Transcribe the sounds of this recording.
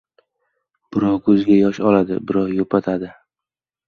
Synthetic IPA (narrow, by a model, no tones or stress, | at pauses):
b̥ɪɾɒwkʰɵzɡʲajɒʃɒlad̪ɪ̰bɪɾɒwjopʰat̪ʰad̪ɪ